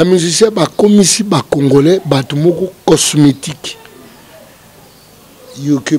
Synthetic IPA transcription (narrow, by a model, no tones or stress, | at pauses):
jamizisiabakomisibakoŋɡolɛbatomokɔkɔsmetik | juk